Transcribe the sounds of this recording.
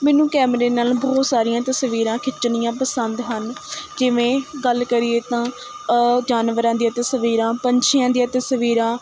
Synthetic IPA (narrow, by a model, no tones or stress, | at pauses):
mɛːnũːkɛːmɾeːnaːlbɔːt̪saːɾijãːt̪əsʋiːɾãːkʰɪt͡ʃːnɪjãːpəsənd̪ɦənd͡ʒɪʋẽːɡəlkəɾieːt̪ãː | d͡ʒaːnʋəɾãːd̪iãːt̪əsəʋiːɾãːpəɲt͡ʃʰijãːd̪ijãːt̪əsəʋiːɾãː